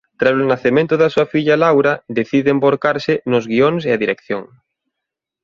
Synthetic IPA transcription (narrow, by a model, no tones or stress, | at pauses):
t̪ɾasʊnaθemẽnt̪ʊðɐsuɐfiʎalawɾɐd̪eθiðeemboɾkaɾsɪnʊzɣioŋseaðiɾekθjoŋ